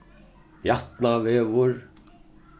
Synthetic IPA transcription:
jaht̪navɛːvʊɾ

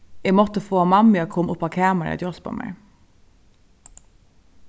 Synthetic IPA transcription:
ɛɡmɔt̪əfoːmɑmɪɑkʰɔmʔʊpːɑkʰæːmæɾɛ̰d̪jɔspɑ̰mʔɛ̰ɪ

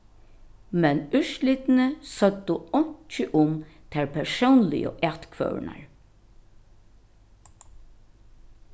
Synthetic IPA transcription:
mɛnʏʃlɪt̪nəsœd̪ʊɔɲ̥t͡ʃɪʔʊmt̪ʰæːɹpʰɛɹsɔwnlɪ̰jə̰ʔɛt̪kʰʋœ̰na̰ɹ

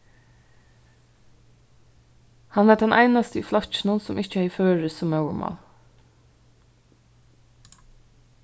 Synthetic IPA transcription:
hɑnʋæːɖɛnʔæ̰ɪnɑst̪əiːflɑçn̩ənsɔmʔɪçəheɪføːɹəsɔmɑʉəɹmʔɑ̰ː

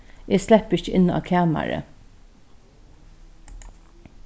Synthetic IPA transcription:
ʔeːslɛpəɪçəʔɪnɑ̰ːkʰæːmæ̰ɹə̰

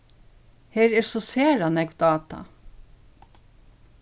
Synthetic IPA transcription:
heːɾɛːɾsɔseːɾanɛɡʋd̪ɑːt̪ɑ̰

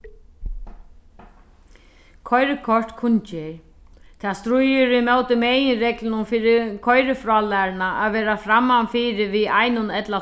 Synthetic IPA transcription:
kʰɔjɾɪkʰɔr̥t̪kʰʊnt͡ʃɪ | t̪ʰast̪ɾʊjʏɾimaːwt̪ɪmɛːjɪnɾɛklɪnʊmfiːɾɪkʰɔjɾɪfɾɔːlaɾɪnaaðʋɛːɾafɾamːanfiːɾɪviajnʊnɛt̪la

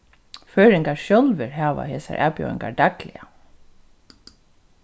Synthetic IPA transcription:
føːɾɪŋkaɹʃjɔlʋɪɹɦaːʋa̰heːsa̰ɹʔæ̰ːpjœ̰ːwɪ̰ŋkaɹd̪aklɪa

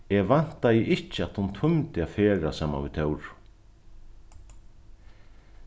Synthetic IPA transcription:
ɛɣvan̥t̪ajɪʔɪhcːɪat̪hunt̪ʰʊmt̪ɪafɛːɾasaːma̰nvɪ̰ðt̪ʰœwɾ

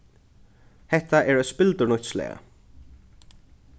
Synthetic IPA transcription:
hɛht̪aɛɹœspɪlt̪ʊnɔjt̪slɛ̰ːɣa̰

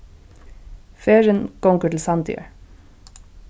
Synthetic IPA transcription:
feːɹənkɔŋkəʈl̩sɑnd̪ʰʏ̰ə̰

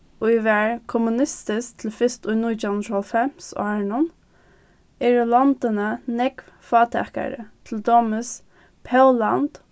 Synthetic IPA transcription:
ɔiʋæɹkʰɔmʉnɪst̪ɪskt̪ʰl̩fɪst̪ʊjnuːt̪anɔlfɛmsɔ̰aɹɳʊn | ɛːɹəlɑnd̪ənənɛkʋ | fɑːt̪ʰɛ̰ka̰ɾə̰t̪ʰl̩d̪oːməs | pʰɛʊlɑnd̪̥

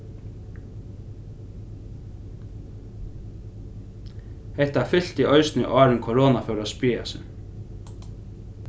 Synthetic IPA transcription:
hɛht̪afɪl̥t̪iʔœɥsnʏ̰ʔɑːɾɪnkʰɔɾɔːnafɛwɾaspiːa̰sɪ̰n

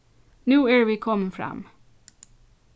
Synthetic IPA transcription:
nʉːeːɹwikʰɔmfɹɑ̰m

